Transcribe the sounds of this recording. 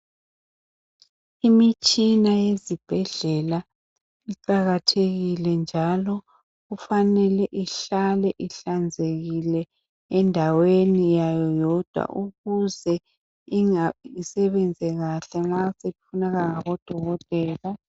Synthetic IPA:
imit͡ʃʼinajezib̥ʱɛɮɛla | iǃaɣatʰeɣilɛnd͡ʒʱalɔ | ɣufanɛlɛʔiɬalɛʔiɬand͡zʱeɣilɛ | ɛndʱawenijajɔjɔd̥ʱwa̰ʔuɣuzɛ | iŋaisɛβɛnd͡zʱɛɣaɬɛŋ͡ǁasefʰunaɣaŋaɣɔd̥ʱɔɣɔtʼɛːla

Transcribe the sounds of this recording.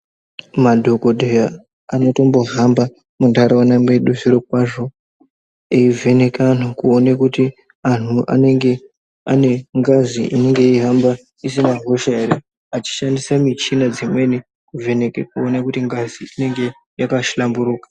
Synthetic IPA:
madʱo̞ko̞dʱeja | ano̞to̞mbo̞ɦamba | mundʱaɾawanamwe̞ɗuʐiɾok̚waʐo̞ | eivʱe̞ne̞kan̤ukuonekuti | an̤uʔa̰ne̞ŋɡe̞ | ane̞ŋɡaziʔineŋɡe̞iɦamba | isinaɦoʃae̞ɾe | at͡ʃi̥ʃandisamit͡ʃinad͡zimwe̞ni | kuve̞nekekuonakutiŋɡaziine̞ŋɡe̞ | jakaʃlambuɾuːkḁ

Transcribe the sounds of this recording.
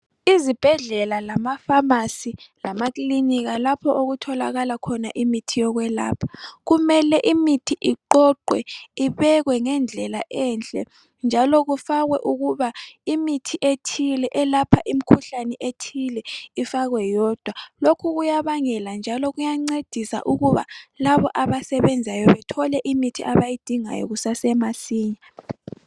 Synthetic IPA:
izib̥ʱɛɮɛlalamafamasilamakliniɣalapʰɔʔoɣutʰɔla̰ɣalakʰɔna̰ʔimitʰijɔɣwɛla̰ːpʰḁɣumɛlɛʔimitʰiʔiǃɔǃwɛ̰iβɛɣwɛŋɛnd͡ɮʱɛlaʔɛnt͡ɬʼɛ̰ | nd͡ʒʱalɔɣufaɣwɛʔuɣuβaimitʰiʔetʰilɛʔɛlapʰaʔim̩kʰuɬanɛʔetʰilɛifaɣwɛjɔːd̥ʱwalokʰuɣujaβaŋɛland͡ʒʱalɔɣujaŋ͡ǀed̥ʱisa̰ʔuɣuβa̰laβɔ̰ʔaβasɛβɛnd͡zʱajɔβɛtʰɔlɛʔimitʰiʔaβajid̥ʱiŋa̰jɔ̰ɣusasɛmasiːɲa

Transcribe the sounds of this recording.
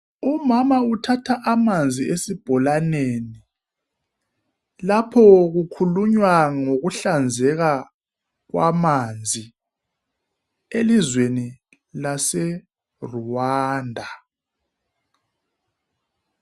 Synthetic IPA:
umamautʰatʰaʔamand͡zʱiesib̥ʱɔlaneni | lapʰɔɣukʰuluɲwaŋoɣuɬand͡zʱɛɣa | ɣwamand͡zʱi | elizweni | lasɛ | ruwaːndʱa

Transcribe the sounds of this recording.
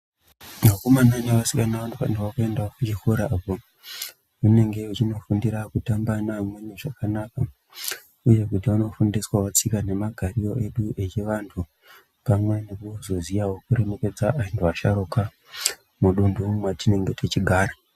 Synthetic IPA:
makumanaɲaʋasikanaʋantʰupa̰ntuakue̞ndaokut͡ʃixoɾaːpo | une̞ŋɡe̞ut͡ʃino̞fundiɾakutambanamweɲeʐakanaka | uje̞kutiʋano̞fundiswawat͡sikane̞maɡʱaɾio̞ʔe̞ɗuʔe̞t͡ʃeʋantʰu | pamwenekuozo̞zijawokuɾeme̞ke̞d͡zaʔaentʰoaʃaɾoka | muɗundumwatine̞ŋɡe̞tet͡ʃiɡʱaːɾa

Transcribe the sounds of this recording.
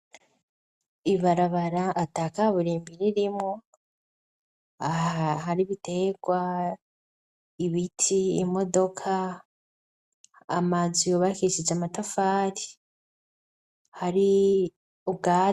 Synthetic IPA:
iβaɾaβaɾaʔːtaːkaβuɾiːmbiɾiɾimŋo | ɦaɾiβite̞ɡwa | iβitʰiːmo̞do̞kʰa | mazijoβakiiʃizeamatafaːti̥ | haɾi | uβɡaː

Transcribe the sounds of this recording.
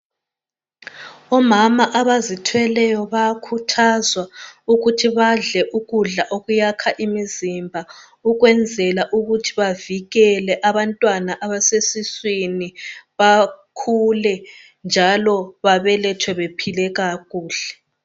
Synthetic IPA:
ɔmamaʔaβazitʰwɛlɛjɔβaakʰutʰazwauɣutʰiβaɮɛʔuɣuɮaʔoɣujakʰaʔimizimbʱa | uɣwɛnd͡zʱɛlaʔuɣutʰiβaviɣɛlɛʔaβantʼwanaʔaβasesiswiniβakʰulɛ | nd͡ʒʱalɔβaβɛlɛtʰwɛβepʰilɛɣaɣuːɮ̥ɛ̥

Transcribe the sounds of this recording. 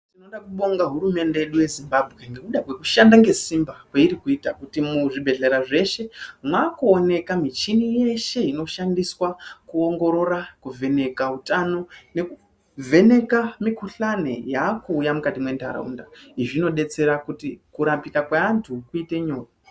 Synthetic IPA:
tino̞ɗakuɓo̞ŋɡaɦuɾume̞nde̞jeɗuje̞zimbabʱwe̞ŋɡe̞kuɗakwe̞kuʃandaŋɡe̞simbakweiɾikuitakutimuʐibʱe̞ɮeɾaʐe̞ʃe̞mwakuone̞kamit͡ʃinije̞ʃe̞ino̞ʃandiswakuo̞ŋɡo̞ɾo̞rakuvʱe̞ne̞kaɦutano̞ne̞ku | vʱe̞ne̞kamikuɬanḛjakuːjamukatimwe̞nta̰ɾa̰ṵndaiʐino̞ɗe̞t͡se̞ɾakutikuɾapikakwaantʰukuite̞ɲo̞ːta

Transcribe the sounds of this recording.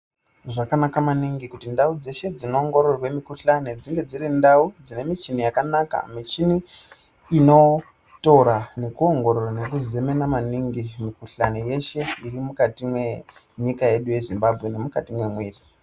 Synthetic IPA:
ʐakanakamaniŋɡikutindaud͡ze̞ʃe̞d͡zino̞ːŋɡo̞ɾorrwe̞mikuɬane̞d͡ziŋɡe̞d͡zirindaud͡zine̞mit͡ʃinijakanaka̰mit͡ʃiniː | no̞ | to̞ɾane̞kuo̞ŋɡo̞ɾorane̞kuzeme̞namaniŋɡimikuɬaneje̞ʃe̞irimukatimwe̞ | ɲikaje̞ɗuje̞zimbabʱɣe̞ne̞mukatimwe̞mweːri

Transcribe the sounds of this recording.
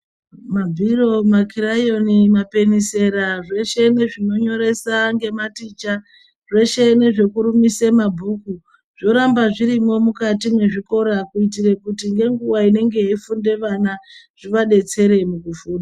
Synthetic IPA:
mabʱiro̞makʰiɾajo̞nimape̞nise̞ɾaʐe̞ʃe̞ne̞ʐino̞ɲo̞ɾe̞saŋɡe̞matit͡ʃa | ʐe̞ʃe̞ne̞ʐe̞kuɾumisemabʱuːku | ʐ̥o̞ɾambaʐiɾimo̞mukatimwe̞ʐiko̞ɾakuit̬iɾe̞kutiŋɡe̞ŋɡuwaine̞ŋɡe̞ifunde̞ʋana | ʐ̥iʋaɗe̞t͡se̞ɾe̞mukufuːnda

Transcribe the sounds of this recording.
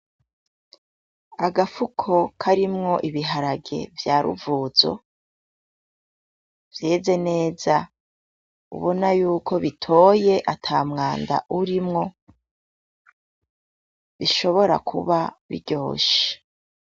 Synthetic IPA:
aɡafukʰo̞kʰaɾimŋo̞ʔiβiɦaɾaɡe̞̰vjaːɾṵvuːzo̞̰ | vje̞ːze̞ne̞ːza | ṵβo̞najuːko̞βitʰo̞ːje̞ʔatʰaːmŋaːnda̰ʔuɾimŋo̞ | βiʃo̞βo̞ɾa̰kʰṵβaβḭɟo̞ːʃe̥

